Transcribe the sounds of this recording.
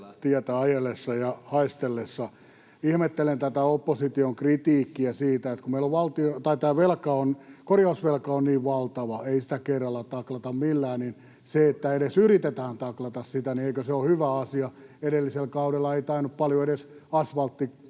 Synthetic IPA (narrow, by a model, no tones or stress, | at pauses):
t̪iæt̪æɑjelesːɑjɑhɑist̪elːesːɑ | ihmet̪ːelent̪æt̪æopːosit̪ioŋkrit̪iːkːiæsiːt̪æet̪kumeiloʋʋɑlt̪iot̪ɑit̪æːʋelkɑonkorjɑusʋelkɑonniːʋʋɑlt̪ɑʋɑeisĭ̥t̪ækerːɑlːɑt̪ɑklɑt̪ɑmmilːæːnin | seet̪ːæeɾesyrit̪et̪æːnt̪ɑklɑt̪ɑssit̪ænieikøseohyʋæɑsiɑeɾelːiselkɑudelːɑeit̪ɑinuppɑljoeɾesɑsʋɑlt̪ːi